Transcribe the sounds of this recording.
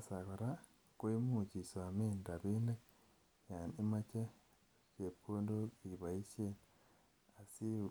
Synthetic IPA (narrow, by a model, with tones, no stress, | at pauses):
sa˨ko˨ɾa˦ | koi˦muci˨sa˨meːnda˨βiːnde˦ | ja˨nima˦t͡ʃe˦ | t͡ʃe˨po˦ndo˦iβa˨i˦sen | a˨si˦